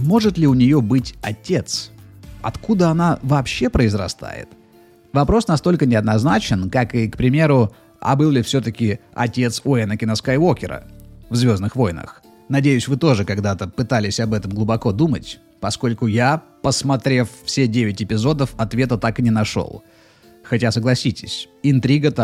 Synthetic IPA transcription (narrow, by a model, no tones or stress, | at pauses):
mo̞ʐɨt̪lʲɪʊnʲɪjo̞bɨtʲɐtʲe̞t̪sɐ̰t̪kud̪əɐnavɐːpɕːe̞pɾəɪzɾɐst̪a̰jɪ̰t̪ | vɐpɾo̞snɐst̪o̞lʲkənʲɪɐd̪nɐznat͡ɕɪnkakɨkpɾʲɪmʲe̞ɾʊ | a̰bɨlˠlʲɪfsʲɵt̪əkʲɪɐ̰tʲe̞t̪soɛnəkʲɪnɐskajwo̞kʲɪɾə̰vzvʲo̞znɨxvo̞jnə̰x | nɐdʲejʊsʲvɨt̪o̞ʐɨkɐɡd̪at̪əpɨt̪alʲɪsʲɐbɛt̪əmɡlˠʊbɐko̞d̪umətʲ | pɐsko̞lʲkʊjapəsmɐt̪ɾʲe̞ffsʲedʲevʲɪtʲɪpʲɪzo̞d̪əfɐt̪vʲe̞t̪ət̪akɨnʲɪnɐʂo̰lˠ | xɐtʲasəɡlˠɐsʲitʲɪ̥sʲ | ɪnt̪ɾʲiɡət̪ə